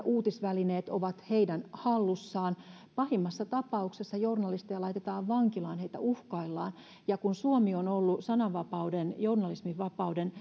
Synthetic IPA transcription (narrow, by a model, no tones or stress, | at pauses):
ʔuːt̪isʋælineːt̪oʋɑt̪heidænhɑlːusːɑːn | pɑhimːɑsːɑt̪ɑpɑuksesːɑjornɑlist̪ijɑlɑit̪et̪ɑːʋʋɑŋkilɑːnheit̪æ̰uhkɑilːɑ̰ːn | jɑkunsuomionolːusɑnɑʋʋɑpɑudenjornɑlismiʋʋɑpɑuden